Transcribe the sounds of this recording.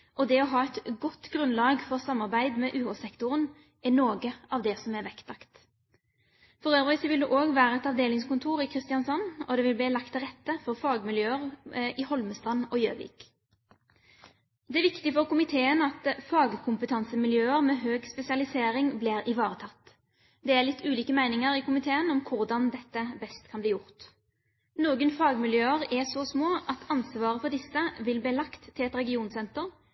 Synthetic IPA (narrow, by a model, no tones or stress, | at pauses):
ɔd̪ɛɔɦɑːɛt̪ɡɔt̪ːɡɾʉnlɑːɡfɔʁsɑmːɑʁbæɪd̪mɛʔʉːʁɔsɛkt̪ʊʁən | ɛnoːɡəɑʋd̪ɛsɔmæʁʋɛkt̪lɑkt̪ | fɔɾøːʋʋɪsɔʋɪld̪ʉːʔoːɡʋæːʁəɛt̪ɑʋd̪eːlɪŋskʊnt̪ʰuːɾɪkʰʁɪst̪ɪɑnsɔnːɔd̪ɛʋɪlblɪːlɑkt̪ʰːɪlʁɛt̪ːəfɔʁfɑːɡmɪljøːəʁɪhɔlməst̪ʁɑnɔjøːʋɪ̰ːk | d̪ɛæʋɪkt̪ɪfɔʁkʊmɪt̪ʰeːənɑt̪fɑːɡkʰʊmpət̪ʰɑnsəmɪljøːəɾmɛːɦøːɡspɛsɪɑlɪseːɾɪŋblɪʁɪʋɑːʁət̪ʰɑt̪ː | d̪ɛælɪt̪ʰːʉːliːkəmæɪnɪŋəɾɪkʊmɪt̪ʰeːənɔmkʰʊʁd̪ɑnd̪ɛt̪ːəbɛst̪kʰɑnbliːjʊʁt̪ | noːɡənfɑːɡmɪljøːəʁɛsɔsmoːʔɑt̪ʰɑnsʋɑːʁəfɔʁd̪ɪsːəʋɪlbliːlɑkt̪ʰːɪlɛt̪ɾɛɡɪuːnsɛnt̪əʁ